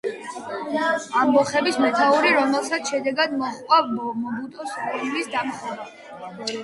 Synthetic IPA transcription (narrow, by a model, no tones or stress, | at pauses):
amːɔχɛbismɛt̪ʰauɾiɾɔmɛlˠsat̪sʃɛd̪ɛɡad̪mɔχkʼamɔbut̪ʼɔskʼullisd̪amχɔ